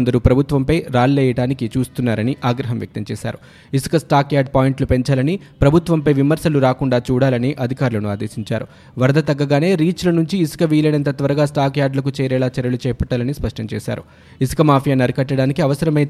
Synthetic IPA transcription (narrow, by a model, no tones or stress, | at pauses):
nd̪ɐɾupɾɐbʱut̪ʋɐmpɐjɾaːllɛːjɐɽaːnikit͡ʃuːst̪unːaːɾɐniʔaːɡɾɐɦɐmjɐ̰k̚t̪ɐmt͡ʃːʃa̰ːɾu | isu̥kɐsʈaːkjaːɖ̚paːjɳʈlupe̞ɲt͡ʃaːlɐni | pɾɐbʱut̪ʋɐmpɐjʋimɐɾʃɐluɾaːkuɳɖaːt͡ʃuːɽaːlɐniʔɐd̪ʱikaːɾulɐnuaːd̪eːsiɲt͡ʃaːɾu | ʋɐɾɐd̪ɐt̪ɐɡːɐɡaːne̞ːɾiːt͡ʃlɐnuɲt͡ʃiːsu̥kɐʋiːlɐnɐnt̪ɐt̪ʋɐɾɐɡaːsʈaːkjaːɖlɐk̬ut͡ʃɛːɾɛːlaːt͡ʃɐɾjɐlut͡ʃɛːpɐʈːaːlɐnispɐʂʈɐmt͡ʃɛːʃa̰ːɾṵ | isu̥kɐmaːpʰijaːnɐɾikɐʈːɐɽaːnikiɐʋɐsɐɾɐmɐj̪